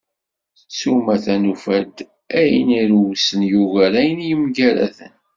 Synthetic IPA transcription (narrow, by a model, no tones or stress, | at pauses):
sumæθænufæd̪ | æjəniɾuwsənjuɣæɾæjənjəmɡæɾæ̰θə̰n